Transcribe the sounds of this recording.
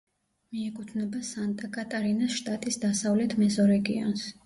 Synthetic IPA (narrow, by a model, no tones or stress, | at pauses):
miɛkʼut̪ʰvnɛbasant̪ʼakʼat̪ʼaɾinasʃt̪ʼat̪ʼisd̪asavlɛt̪ʰmɛzɔɾɛɡḭɔ̰ns